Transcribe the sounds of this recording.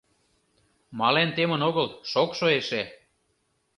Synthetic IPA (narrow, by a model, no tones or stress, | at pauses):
mɑlent̪emənoɣəlʃokʃoeʃe